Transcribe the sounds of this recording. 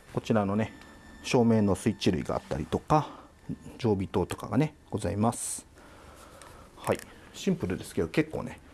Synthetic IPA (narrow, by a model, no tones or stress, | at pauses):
ko̞t͡ɕiɾano̞ne̞ɕo̞ːme̞nːo̞sɨit͡ɕiɾɯ̟ḭɡa̰a̰t̪ːa̰ɾʲit̪o̞ka | d͡ʑo̞ːbʲit̪o̞ːt̪o̞̥ka̰ɡane̞ɡ̥o̞zaimasɨ̥ | hai | ɕĩmpɯ̟ɾɯ̟d̪e̞sɨ̥ke̞d̪o̞ke̞kːo̞̰ːne̞